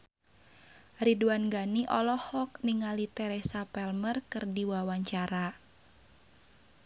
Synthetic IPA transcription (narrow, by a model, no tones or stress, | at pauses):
riduanɡaniʔɔlɔhɔk̚niŋalit̪ɛɾɛsapɛlmərkɨrdiwawaɲt͡ʃaɾa